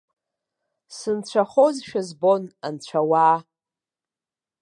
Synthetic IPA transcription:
sɨnt͡ɕʷʰaχozʃᶣazbonant͡ɕʷʰawaː

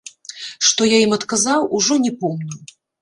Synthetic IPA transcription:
ʂt̪ɔjaimɐt̪kazawuʐɔnʲɛpɔmnʲu

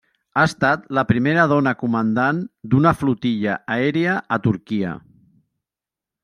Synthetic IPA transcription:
aəst̪at̪ləpɾimeɾəð̞ɔnəkumənd̪and̪unəflut̪iʎəʔaɛɾiəʔət̪uɾkiə̰

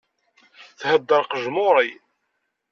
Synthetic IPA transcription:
θhəd̪ːəɾˤqəʒmoɾˤij

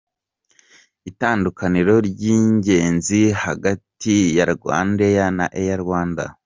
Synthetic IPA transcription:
itaːndukaniɾo̞ɾɟiːɲɟe̞ːnzihaɡatijaɾɡwa̰ːndejana̰ʔejaɾwaːnda̰

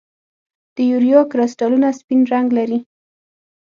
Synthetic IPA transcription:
d̪̥əjuɾijokɾɑsʈɑlunaspinɾaŋɡlaɾi

